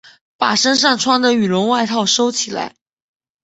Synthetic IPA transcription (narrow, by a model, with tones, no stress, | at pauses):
pa̰˨˩ʂə˥nʂ̬ɑ˥˩ŋʈ͡ʂʰwɑ˥ŋd̪ə˨y˨˩ɻʊ˧˥ŋwa˥˧ɪt̪ʰɑ˥˩ʊʂo˥ʊt͡ɕʰi˨˩la̰˧˥ɪ